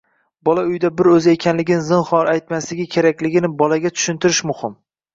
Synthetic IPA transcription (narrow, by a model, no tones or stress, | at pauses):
bɒlaʊjd̪abɪɾɵzɪe̞kʲʰanlɪɡʲɪnɪzɪnχɒɾajt̪maslɪɡʲɪkʲʰeɾakʲlɪɡʲɪnɪbɒlaɡʲat̪ʰʊ̥ʃɪnt̪ʰɪɾɪʃmʊhɪm